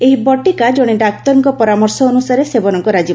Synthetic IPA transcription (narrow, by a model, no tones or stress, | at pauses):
eɦibɔʈikad͡ʒɔɽ̃iɖak̚t̪ɔɾɔŋkɔpɔɾamɔɾsɔːnusaɾesebɔnɔŋkɔɾad͡ʒi